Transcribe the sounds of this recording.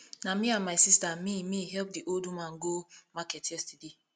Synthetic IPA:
namiãnmaɪsistamimiɦɛlp̚diʔoldumãnɡomakɛtjɛstide

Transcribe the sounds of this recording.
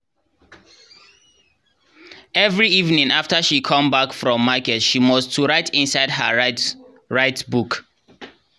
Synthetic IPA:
ɛvɹiivnĩŋaftəʃikʰɔ̃mbakfɹɔ̃mːakɛtʃimɔstʰːuɹaɪtʰĩnsaɪdɦə | ɹaɪtbuk

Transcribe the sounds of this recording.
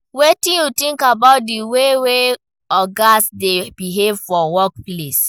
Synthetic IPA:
wetĩnjutĩŋkabaʊt̚diwewe | ɔɡasdebiɦevfɔwɔk̚ples

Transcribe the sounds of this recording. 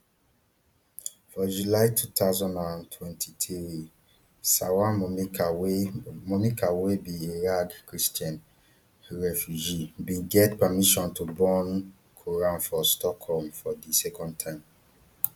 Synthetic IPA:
fɔd͡ʒulaɪtʰutazɔ̃ndãntʰwɛ̃ntʰitʰi | sawaa | mɔmikawebieɹaɡkɹistjãn | ɹɛfjud͡ʒibĩɡɛtpamiʃɔ̃ntubɔ̃n | kʰoɹãnfɔstɔkʰhɔlmfɔdisɛkɔ̃nd̚tʰãɪ̃m

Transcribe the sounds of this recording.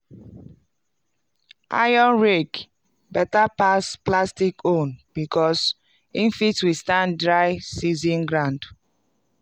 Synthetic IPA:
ʔa̰jɔ̃nɹek | bɛtapasplastikõnb̥ikʰɔs | ĩnfitwistãndɹajsizĩnɡɹãnd

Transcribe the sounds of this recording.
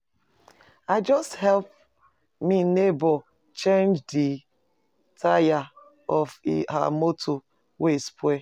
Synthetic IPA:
aɪd͡ʒɔsthɛlp̚ | minebɔ | t͡ʃẽnd͡ʒdi | tʰaja | ɔfɦa̰motʰo | wespʰwe

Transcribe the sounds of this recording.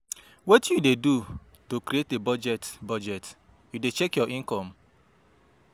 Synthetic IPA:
wɔtjudedu | tokɾietebɔd͡ʒɛtbɔd͡ʒɛt | judet͡ʃɛkjɔʔĩŋkɔm̩

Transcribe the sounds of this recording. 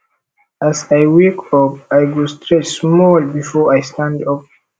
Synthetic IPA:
ʔasajwekɔp̚ajɡɔstɹɛt͡ʃsmɔlbifɔajstãndɔp̚

